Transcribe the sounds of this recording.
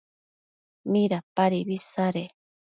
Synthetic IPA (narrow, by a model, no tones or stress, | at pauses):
mĩɾapaɾiβisaɾe